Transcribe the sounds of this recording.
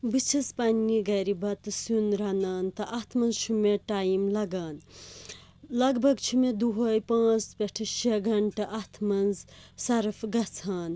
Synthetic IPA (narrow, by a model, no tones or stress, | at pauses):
bɨt͡ʃʰɐspɐnːiɡɐɾibɐt̪ɨsunɾɐnaːnt̪ɐʔɐt̪ʰmɐnzt͡ʃʰumeʈaːjimlɐɡaːn | lɐɡbʱɐɡt͡ʃʰumed̪uɦɐːjpãːt͡speʈʰɨʃʰeɡʱɐɳʈɐʔɐt̪ʰmɐnzsɐɾfɡɐt͡sʰaːn